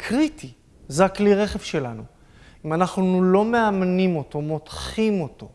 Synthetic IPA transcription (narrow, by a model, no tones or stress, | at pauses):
kʰʁitʰi | zeakliʁe̞χe̞vʃe̞lanṵ | imanaχnulo̞me̞amnimo̞to̞mo̞tχimo̞to̞